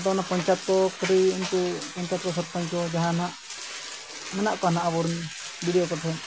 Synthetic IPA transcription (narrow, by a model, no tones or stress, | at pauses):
d̪ɔnapɔɲt͡ʃat̪̚kɔkɾinkupɔɲt͡ʃat̪̚kɔsɔt̪̚paɲt͡ʃɔd͡ʒaɦanaʔ | mɛnaʔkɔanaʔabɔɾun | biɽijɔkɔt̪ʰɛ